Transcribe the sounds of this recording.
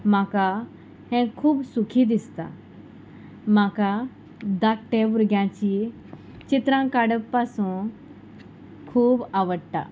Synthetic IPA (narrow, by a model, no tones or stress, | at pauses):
maka | hɛ̃kʰuːbsukʰid̪ist̪a̰ | maka | d̪akʈebuɾɡjãt͡ɕi | t͡ɕit̪ɾãkaɽəppasũː | kʰuːbaʋəɽʈ̪a̰